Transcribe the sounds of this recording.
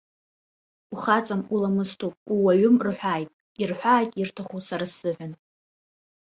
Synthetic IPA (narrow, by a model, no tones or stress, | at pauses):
uχat͡sʼamulamɨstʰupʼuwaɥʊmrħʷᶣaːjtʼ | irħʷaːjtʼirtʰaχusaɾasːɨħᶣʷan